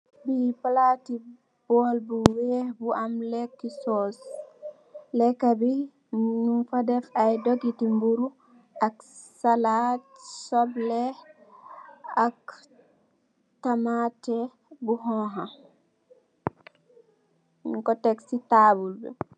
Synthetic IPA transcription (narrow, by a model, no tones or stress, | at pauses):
bipalati | b̥ɔlbuwɛbuʔamlɛkːisɔs | lɛkːabi | numfadɛfajdoɡitimbuɾu | ʔak | salatsɔblɛ | ak | tamatɛ | buɦɔɦa | ŋkɔtɛksitabulbɛ̰